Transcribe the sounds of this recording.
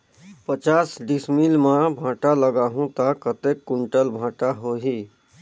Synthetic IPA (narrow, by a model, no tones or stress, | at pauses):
pət͡ʃaːsɖismilmãbʱãːʈaləɡaːɦũt̪akət̪ekːʊɳʈəlbʱãːʈaɦoɦiː